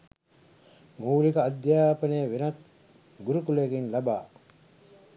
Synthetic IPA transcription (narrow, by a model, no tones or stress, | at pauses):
muːlikɐːd̪jaːpɐneːʋenɐt̪ | ɡuɾukuleɡinlɐbaː